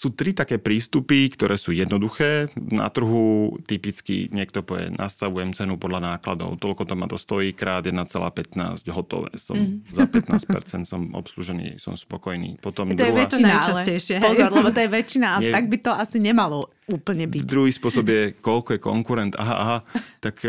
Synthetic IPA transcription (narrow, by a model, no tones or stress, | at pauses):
suːt̪ɾit̪akɛːpɾiːst̪upikt̪ɔɾʔɛːsuːjɛd̪nɔd̪uxɛːna̰t̪r̩ɦut̪ipit͡skḭɲɪɛk̚t̪ɔpɔʋjɛ̰nʔa̰st̪aʋujɛmt͡sɛnupɔd̪lanaːklad̪ɔ̰ʊt̪ɔlkɔt̪ɔmad̪ɔst̪ɔiːkɾaːd̪jɛd̪nat͡sɛla̰ːpɛt̪na̰ːzɟɦɔt̪ɔ̰ʋɛ̰ːsɔ̰mzapɛt̪naːsc̚ɛ̰ɾt͡sɛnt̪sɔmɔ̰psluʒɛnḭːsɔ̰mspɔkɔjnḭːpɔt̪ɔmd̪jɛuat͡ʃinalɛjʃɪɛɔzɔɾlɛbɔt̪ɔjɛʋɛt͡ʃinaaɛaɡ̚bit̪ɔasiɲɛmalɔ | uːpl̩ɲɛbicd̪ɾuɦiːspʊɔsɔbjɛkɔʎkɔjɛkɔ̰ŋkuɾɛnt̪a̰ɦaʔaɦat̪ak